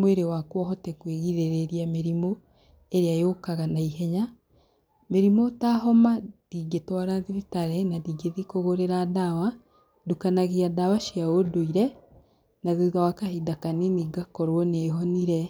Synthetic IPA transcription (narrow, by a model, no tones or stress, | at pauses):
mweɾewakwɔɦɔtɛkweɣiðeɾeɾiameɾimo | eɾeajokaɣanaiɦeɲa | meɾimotaɦɔmadiɡetwaɾaðiðitaɾenadiɡeðikoɣoɾeɾadawa | dukanaɣiadawaʃiaodoiɾe | naðiɣawakahidakaniniɡakɔɾwɔneːɦoniɾe